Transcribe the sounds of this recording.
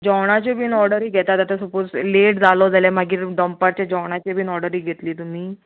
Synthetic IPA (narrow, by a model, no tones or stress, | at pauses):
d͡ʑɔwɽ̃at͡ɕebʱiːnɔɾɽəɾiːɡʱɛt̪at̪at̪əsəpod͡zleʈd͡zalod͡zaljamaɡiːɾɖəmpaɾt͡ɕjad͡ʑɔwɽ̃at͡ɕebʱiːnɔɾɖəɾiːɡʱet̪liːt̪um̤iː